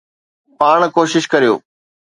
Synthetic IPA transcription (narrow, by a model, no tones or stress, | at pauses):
paːɳ̃koːʃɪʃkɐɾijo̰ː